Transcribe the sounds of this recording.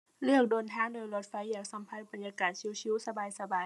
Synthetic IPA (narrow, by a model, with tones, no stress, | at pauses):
lɯ˥˩ək̚doː˨˧nt̪ʰaː˧˥˨ŋdoː˧˦jlo˧˥t̪̚fa˧˥jːaː˧˩ŋsa˧˦mpʰa˧˥nba˨˩njaː˧kaː˨˩t̪̚si˧˥˨si˧˥˨wsa˧baː˧jsa˧baː˨˧j